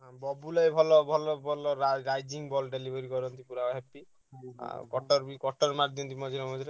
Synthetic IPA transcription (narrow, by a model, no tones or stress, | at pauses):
ɦbɔbulɔjbʱɔlɔbʱɔlɔbʱɔlɔɾaɾajd͡ʒiŋbɔlɖelibʱɔɾikɔɾɔnt̪ipuɾaɔɦepḭ | kɔʈɔɾbikɔʈɔɾmaɾd̪iɔnt̪imɔd͡ʒɔɾɔmɔd͡ʒɔɾe